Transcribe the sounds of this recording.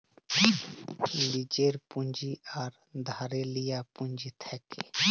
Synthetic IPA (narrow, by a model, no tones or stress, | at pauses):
lid͡ʒeːɾpũnd͡ʒiaɾ | d̪ʱaːɾelijapũnd͡ʒit̪ʰɛke